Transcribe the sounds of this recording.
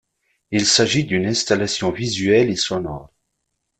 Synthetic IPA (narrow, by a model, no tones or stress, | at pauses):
ilsaʒid̪ynɛ̃st̪alasjɔ̃vizɥɛlesɔnɔ̰ʁ